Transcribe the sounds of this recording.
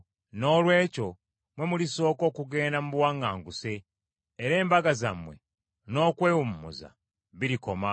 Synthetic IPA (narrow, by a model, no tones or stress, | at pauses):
no̞ːlwe̞ːco̞ | mwe̞muliso̞ːko̞ːkuɡe̞ːndamuβwaŋɡaːŋɡuse̞ː | ɾe̞ːmbaɡazamwe̞̰ | no̞ːkwe̞ːwumumṵza̰ | βiɾiko̞ma